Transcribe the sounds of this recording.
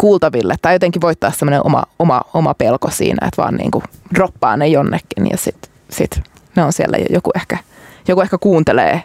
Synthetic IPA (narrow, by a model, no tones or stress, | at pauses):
kuːlt̪ɑʋilːet̪t̪ːɑjjot̪eŋkːiʋoit̪ːɑːssemːoneʔomɑ̰omɑomɑpelkosḭːnæ̰ḛt̪ʋɑ̰ːnnʔḭːŋkuropːɑːnejonːekːinjɑ̰sit̪ | sit̪ | neonsielːæ̰jo̰jokuehkæjokuehkækuːnt̪elḛː